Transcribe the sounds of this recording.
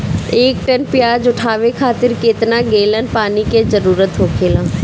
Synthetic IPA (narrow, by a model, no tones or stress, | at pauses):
eːk̚ʈənpɪjaːd͡ʒʊʈʰaːʋekʰaːt̪ɪɾkeːt̪naɡeːlənpaːniked͡ʒəɾuːɾət̪ɦoːkʰeːlãː